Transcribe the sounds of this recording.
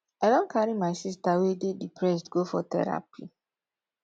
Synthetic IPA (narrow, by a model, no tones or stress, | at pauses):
aɪdɔ̃nkʰaɾimaɪsistawededipɹɛs̬tɡofɔtɛ̰ɹa̰pḭ